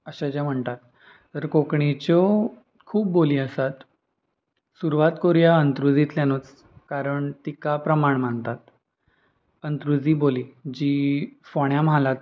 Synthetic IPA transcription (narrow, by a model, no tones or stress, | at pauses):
əɕad͡ʑjam̤əɳt̪at̪ː | əɾkokɳit͡ɕo | kʰuːp̚boliːəsat̪ | suɾuʋat̪koɾjaənt̪ɾud͡zit̪ljanut͡s | kaɾəɳt̪ikapɾəmaɳmaɳt̪at̪ | ənt̪ɾud͡ziːboliːd͡ʑiːfoɳjamɦalat̪